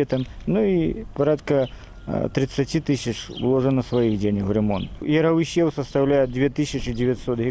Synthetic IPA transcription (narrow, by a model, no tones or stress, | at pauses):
ɛt̪ɐmnuipaɾat̪kɐ | t̪ɾɨt̪sːɐt͡sʲit̪ɨsʲɐt͡ʂwlˠɔʐɨnɐsʋɐjiɣd͡zʲenʲɐxɾɛmɔnt̪jɐɾɐwɕʲɛwsɐst̪awlʲajɛd͡zʲvʲɛt̪ɨsʲɐt͡ʂɨd͡zʲɪvʲjatʲsɔt̪ɦʲi